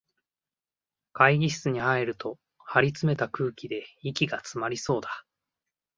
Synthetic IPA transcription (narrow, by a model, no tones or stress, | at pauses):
kaiɡʲiɕi̥t͡sɨɲ̟ihaeɾɯ̟t̪o̞ | haɾʲit͡sɨme̞t̪akɯ̟ːkʲid̪e̞ikʲiɡat͡sɨmaɾʲiso̞ːd̪a